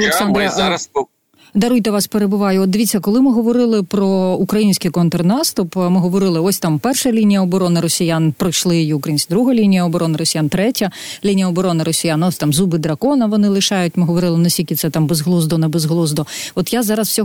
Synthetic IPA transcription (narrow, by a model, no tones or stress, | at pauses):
ɐlʲˠeksɑnd̪ɾ | d̪ɐɾujt̪ɛʋɑspeɾebʊʋɑjʊɔt̪d̪ɪʋʲitt͡sʲːɐkɔlˠɪmɪɦɔʋɔɾɪlˠɪpɾɔukɾɐjinʲsʲkɪjkɔnt̪ɔrnɑst̪ʊpmɪɦɔʋɔɾɪlˠɪɔsʲt̪ɑmpɛrʃɐlʲinʲijɐɔbɔɾɔnɪɾɔsʲijanpɾɔjʃlˠɪjijiʊukɾɐjinʲsʲkʲd̪ɾuɦɐlʲinʲijɐɔbɔɾɔnɪɾɔsʲijant̪ɾɛtʲɐ | lʲinʲijɐɔbɔɾɔnɪɾɔsʲijanɔsʲt̪ɑmzubɪd̪ɾɐkɔnɐʋɔnɪlˠɪʃɑjʊtʲmɪɦɔʋɔɾɪlˠɪnɐsʲtʲikʲɪt̪sɛt̪ɑmbezɦlˠuzd̪ɔnɛbezɦlˠuzd̪ɔɔt̪jazɑɾɐswsʲɔ